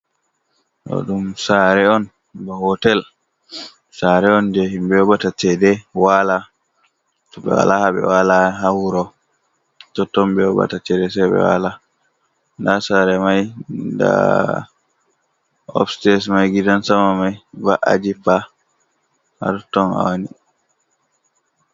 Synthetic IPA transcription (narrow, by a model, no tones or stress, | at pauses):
ʔɔ̰ɗumsaɾɛɔn | bɔhɔtɛl | saɾɛɔnd͡ʒɛhimbɛɔbatat͡ʃɛdɛwala | tɔbɛ̰wa̰lahabɛ̰walaɦawuɾɔ | tɔtːɔmbɛɔba̰tat͡ʃɛdɛsɛbɛ̰wa̰la | ndasaɾɛmajda̰ | ɔ̰fstɛs̬majɡidansamamajba̰ʔa̰d͡ʒipːa | ha̰ɾutːɔna̰wanḭ